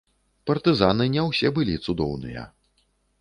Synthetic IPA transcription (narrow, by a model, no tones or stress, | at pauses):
pɐrt̪ɨzanɨnʲɛwsʲɛbɨlʲit̪sud̪ɔ̰wnɨ̰jɐ̰